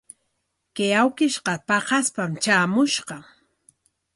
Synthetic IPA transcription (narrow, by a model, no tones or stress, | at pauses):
kejawkɪʃqɑpɑqɑspamt͡ʃaːmʊʃɢɑŋ